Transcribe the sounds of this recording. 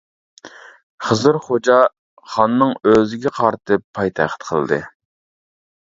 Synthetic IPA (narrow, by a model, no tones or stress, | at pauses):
χəzɨɾχod͡ʒɑ | χɑnːɨŋøzɪɡʲɛqʰɑɾt̪ʰɨpʰːɑjt̪ʰæχt̪qʰəlˠɨ̰d̪ɨ̰